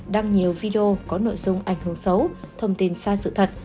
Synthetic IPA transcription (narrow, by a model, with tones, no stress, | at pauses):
ɗaː˧ŋɲi˨˩əwvi˧ɗe˧o˧kɔ˨˦no̰˧˨jzʊ˧ŋ͡mʔa˧˩jŋ̟hɨ˧˩əŋsə˨˦wt̪ʰə˧wŋ͡mt̪i˨˩nsaː˧sɨ̰˧˨t̪ʰə˨˩t̚